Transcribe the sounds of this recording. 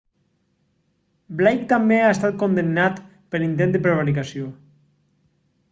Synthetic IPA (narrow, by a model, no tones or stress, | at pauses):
blajk̚t̪ambeaest̪at̪̚kond̪enːat̪ | pelint̪̬enəpɾeβaɾikasjo